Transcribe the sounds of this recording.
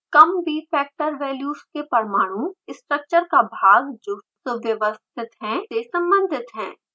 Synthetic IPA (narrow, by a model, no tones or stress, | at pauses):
kɐmbʱifɛːk̚ʈəɾʋɛːljuːskepɐɾmaːɽ̃ũɪsʈɾək̚t͡ʃəɾkabʱaːɡd͡ʒʊʈsəbjəʋəst̪ʰɪt̪ɦɛ̃sesɐ̃mbə̃nd̪ʱɪt̪ɦɛ̃ː